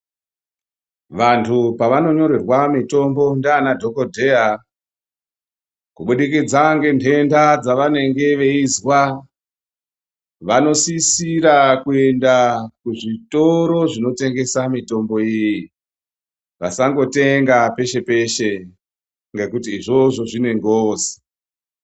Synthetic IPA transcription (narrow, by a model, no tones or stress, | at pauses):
ʋantʰupaʋano̞ɲo̞ɾerwamito̞mbo̞ndaanadʱo̞kodʱe̞a | kuɓuɗikid͡zaŋɡe̞npʰe̞ndad͡zaʋane̞ŋɡe̞ʋe̞izwa | ʋano̞sisiɾakue̞ndakuʐito̞ɾo̞ʐino̞te̞ŋɡe̞samito̞mbo̞iji | ʋasaŋɡo̞te̞ŋɡape̞ʃe̞pe̞ʃe | ŋɡe̞kutiːʐo̞ʐo̞ʐine̞ŋɡoːzi̥